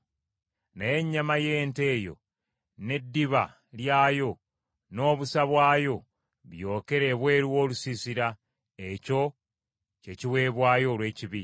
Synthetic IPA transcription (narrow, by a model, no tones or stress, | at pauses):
naje̞ɲːamaje̞ːnte̞ːjo̞̰ | ne̞dːiβa̰ | ljaːjo̞ | no̞ːβusaβwaːjo̞ | βjo̞ːke̞ɾe̞ːβwe̞ːɾwoːlusisiɾa | eco̞ | ce̞ciwe̞ːβwaːjo̞ːlwe̞ːciβi